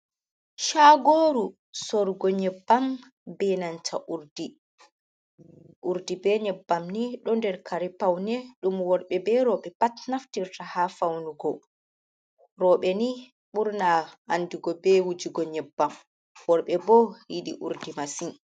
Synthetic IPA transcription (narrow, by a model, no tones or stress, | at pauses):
ʃaɡoɾu | sɔɾɡɔɲɛbːam | bɛnant͡ʃʰaʔuɾdi | ʔuɾdibɛɲɛbːamniɗɔndɛɾkʰaɾipawnɛɗumwɔɾɓɛbɛɾɔɓɛpatnaftiɾtahafawnuɡɔ | ɾɔɓɛni | ɓuɾnaanːdiɡɔbɛwud͡ʒiɡɔɲɛbːam | wɔɾɓɛbɔhiɗḭʔṵɾdimasin